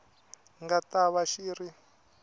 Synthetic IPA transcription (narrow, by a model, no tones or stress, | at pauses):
ŋɡataβaʃiːɾi